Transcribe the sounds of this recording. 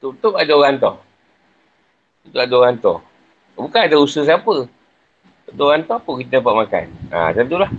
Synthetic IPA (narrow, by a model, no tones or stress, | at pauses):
t̪ut̪upadaoɣant̪ɔ̰ | t̪ut̪ʊʔadaoɣant̪ɔ̰h | bukaadausəsapə | adaoɣant̪ɔapəkit̪ənapaʔmaka̰na̰t̪ənt̪ulah